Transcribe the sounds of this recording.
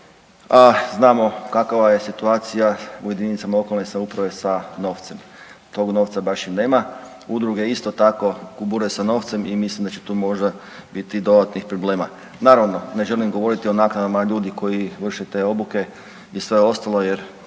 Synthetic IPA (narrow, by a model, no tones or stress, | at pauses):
aznaːmo̞kakaʋaje̞sit̪uaːt̪sijaṵje̞d̪init̪amalˠo̞kolnesaupɾaʋe̞sano̞ːʋt̪se̞m | t̪o̞ɡno̞ːʋt̪sabaʃine̞ːma | ud̪ɾuɡeist̪o̞t̪ako̞ɡubuɾuesano̞ːft̪se̞mimislimd̪at͡ɕe̥t̪uːmo̞ʒd̪a | bit̪id̪o̞d̪at̪nixpɾoble̞ːma | naːɾaʋno̞ne̞ʒe̞limɡo̞ʋo̞ɾit̪io̞naːknad̪amaʎuːd̪iko̞jiʋr̩ʃet̪e̞ːo̞buke̞ | isʋe̞o̞st̪alo̞je̞ɾ